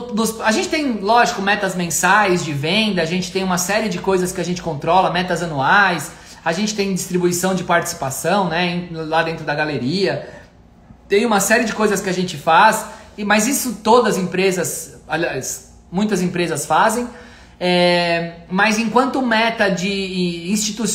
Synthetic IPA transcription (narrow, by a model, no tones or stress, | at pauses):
nʊsaʒẽnt͡ʃɪ̥t̪ẽj̃lɔʒɪkʊmɛt̪ɐzmẽsajzd͡ʒɪvẽnd̪ɐːʒẽnt͡ʃɪ̥t̪ẽj̃ũmɐsɛɾiɪd͡ʒɪkojzɐskɪaʒẽnt͡ʃɪ̥kõnt̪ɾɔlɐmɛt̪ɐzɐnuajsaʒẽnt͡ʃɪt̪ẽj̃d͡ʒɪst̪ɾibuisɐ̃w̃d͡ʒɪpaɾt͡ʃi̥si̥pasɐ̃w̃nɛẽlad̪ẽnt̪ɾʊd̪ɐɡaleɾiɐ | t̪ẽj̃ũmɐsɛɾɪd͡ʒɪkojzɐskɪaʒẽnt͡ʃɪfasmɐzisʊt̪od̪ɐzẽpɾezɐsalias | mũj̃t̪ɐzẽpɾezɐsfazẽj̃ | ɛ | mɐjzẽkwɐ̃nt̪ʊmɛt̪ɐd͡ʒɪĩst͡ʃit̪us